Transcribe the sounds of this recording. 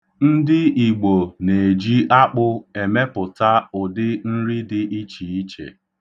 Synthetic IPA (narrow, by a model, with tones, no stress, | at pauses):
n̩˦dɪ˦i˨ɡ͡bo˨ne˨d͡ʒi˦ʔa˦k͡pʊ˦e˨me˦pʊ˨ta˦ʊ˨dɪ˦n̩˦ɾi˦dɪ˦ʔi˦t͡ʃi˨i˦t͡ʃḛ˨